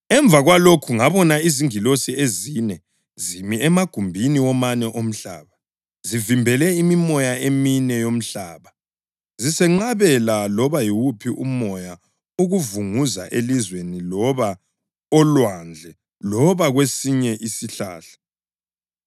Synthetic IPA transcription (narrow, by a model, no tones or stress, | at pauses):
ɛɱb̪vʱaɣwalokʰuŋaβɔnaiziŋilosiezinɛ | zimiɛmaɡ̥ʱumbʱiniwɔmanɛʔom̩ɬa̰ːβa | zivimbʱɛlɛimimɔjaeminɛjom̩ɬaːβa | zisɛŋ͡ǃaβɛlalɔβajiwupʰiʔumɔja | uɣuvuŋuza̰ʔelizwenilɔβa | ɔlwand͡ɮʱɛ | lɔβaɣwesiɲɛʔisiɬa̰ːɬḁ